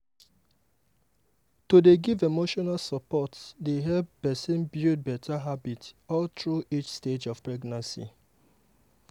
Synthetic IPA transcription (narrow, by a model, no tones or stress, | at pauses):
todeɡivemoʃɔnalsəpɔtsdeɦɛp̚bɛsĩnbjud̚bɛtʰaɦabitɔltɹuʔit͡ʃsted͡ʒɔv̥pɹɛɡnãnsḭ